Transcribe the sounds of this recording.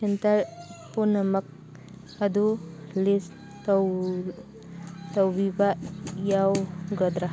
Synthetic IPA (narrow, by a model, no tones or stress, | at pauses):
entaɾpunɐmɐk̚ | ad̪ulis | tw | tawbibajawɡɐd̪ɾa